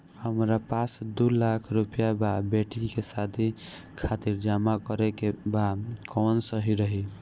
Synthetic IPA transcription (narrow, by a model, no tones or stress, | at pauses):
həmɾapasd̪ulakʰɾupijababeʈikesat̪ʰikʰat̪iɾd͡ʒamakəɾekebakʰɔnsəɦiɾəɦi